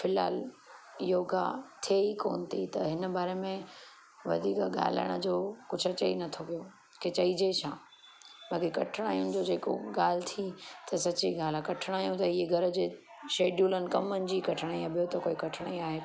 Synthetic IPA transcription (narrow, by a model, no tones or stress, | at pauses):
fɪlɦa̰ːl | ɪjoːɡa̰t̪ʰeikoːnt̪ʰit̪ɐɦɪnəbaːɾemẽ | ʋɐ̰d̪ʱiːkɠa̰ːl̤ə̰ɽ̃əd͡ʑoːkʊd͡ʑʱʊɐt͡ɕɐḭnɐt̪ʰoʋijo | kʰet͡ɕɐid͡ʑet͡ɕʰãː | bɐːkikɐʈʰɪɽ̃aːjũ̆d͡ʑoːd͡ʑeːko̰ɡaːl̤t̪ʰit̪ɐsɐt͡ɕiɡaːlakɐʈʰɽ̃aːjũt̪ɐɪeɡʱɐɾə̆d͡ʑeː | ʃeːɖjuːlənɪ̆kɐmənɪ̆d͡ʑiːkɐʈʰɪɽ̃aːiɐbʱijot̪ɐkoːikɐʈʰəɽ̃a̰ĩaːɦeː